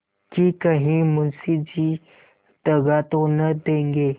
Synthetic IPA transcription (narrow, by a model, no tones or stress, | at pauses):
kikəɦĩmʊnsid͡ʑiː | t̪əɡat̪õnəd̪ẽːŋɡeː